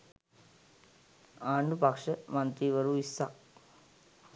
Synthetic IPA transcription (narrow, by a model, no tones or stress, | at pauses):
aːɳɖupɐkʂəmɐnt̪iːʋɐɾuisːa